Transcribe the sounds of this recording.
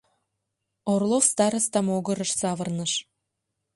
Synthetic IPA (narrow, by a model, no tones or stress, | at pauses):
orlˠofst̪ɑɾə̆st̪ɑmoɣə̆ɾə̆ʃsɑβə̆rnəʃ